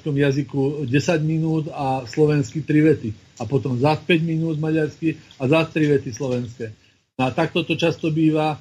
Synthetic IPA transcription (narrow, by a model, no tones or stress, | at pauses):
skɔmjazikuɟɛsaɟminuːd̪aslɔʋɛnskit̪ɾiʋɛt̪i | apɔt̪ɔmzaspɛɟminuːd̪maɟaɾskiazast̪ɾiʋɛt̪islɔʋɛnskɛː | at̪ak̚t̪ɔt̪ɔt͡ʃast̪ɔbiːʋa